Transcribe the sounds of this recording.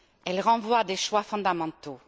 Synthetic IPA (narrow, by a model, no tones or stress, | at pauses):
ɛlʁɑ̃vwad̪eʃwafɔ̃d̪amɑ̃t̪o